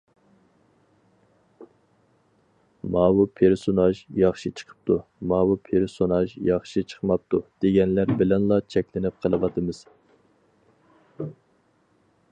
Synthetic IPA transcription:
mɑːwupʰeɾsonɑʒjɑχʃɨt͡ʃʰə̥qʰə̥p̚t̪ʰumɑːwupʰeɾsonɑʒjɑχʃit͡ʃʰə̥χmɑp̚t̪ud̪̥eɡʲɛnlæɾbɪlɛnlˠɑt͡ʃʰɛkʲlɪnɪp̚qʰəlˠɨvɑt̪ʰɨmɨz̥

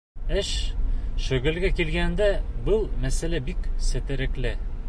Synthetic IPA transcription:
ɘʃʃɵ̆ɡɘ̆lɡækilɡænd̪æbɤlˠmæsælæbiksɘ̆t̪ɘ̆ɾɘ̆klɘ

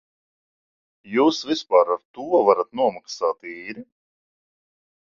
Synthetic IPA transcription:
juːsvispaːɾaɾt̪uɔvaɾat̪nuɔmaksaːt̪iːɾi

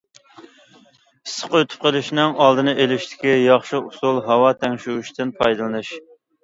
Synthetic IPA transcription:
sːə̥qøt̪ʰy̥p̚qʰəlˠɪʃnɪŋɑlˠd̪ɨnɨʔelɪʃt̪ʰɪ̥kʲijɑχʃiusulˠɦɑwɑt̪ʰɛŋʲʃuuʃt̪ʰɨnpʰɑjd̪ɨlˠɨnɨʃ

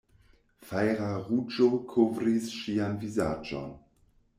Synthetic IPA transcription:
fajɾaʁud͡ʒokʰovɾisʃianviza̰d͡ʒo̰n

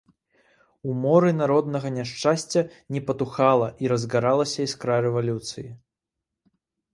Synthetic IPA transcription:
umɔɾɨnaɾɔd̪nɐɣɐnʲaʂt͡ʂasʲt͡sʲɐ | nʲɛpɐt̪uxalˠɐʔiɾɐzɣaɾalˠɐsʲɐiskɾaɾɛvalʲut̪sɨji

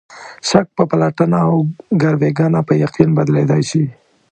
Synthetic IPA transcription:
sak̚pəpalaʈənaawɡaɾweɡɑnapəjaqinbad̪led̪ajʃi

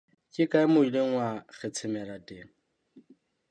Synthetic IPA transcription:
kʼɪkʼaɪmʊileŋ̩waɣʰɛt͡sʰɪmɛlatʼeːŋ̩

